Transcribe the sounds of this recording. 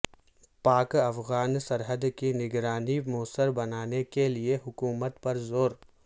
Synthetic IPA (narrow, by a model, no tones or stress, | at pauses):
paːkɐfɣaːnsɐɾɦəd̪kinɪɡɾaːnimoːsəɾbɐnaːnekelieɦʊkuːmət̪pɐɾzoːɾ